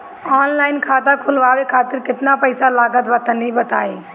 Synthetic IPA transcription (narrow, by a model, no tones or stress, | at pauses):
ɔːnlaːɪnkʰaːt̪akʰʊlʋaːʋekʰaːt̪ɪɾkɪt̪napəɪsalaːɡət̪bɐt̪ənɦĩbɐt̪a̰ːeː